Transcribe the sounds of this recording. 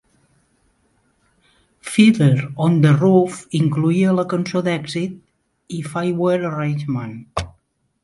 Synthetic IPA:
fiðəɾond̪ərufiŋkluiələkənsod̪ɛɡzit̪̚ | ifajwəɾərenʲd͡ʒmən

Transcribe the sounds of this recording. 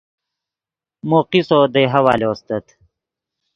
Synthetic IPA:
moːqisod̪ejɦɐwa̰ːloːst̪ɐt̪

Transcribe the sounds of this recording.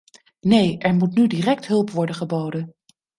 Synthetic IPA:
nejʔɛɹmutnydiːrɛk̚tɦɵlˠpʋɔɹdənχəbowdən

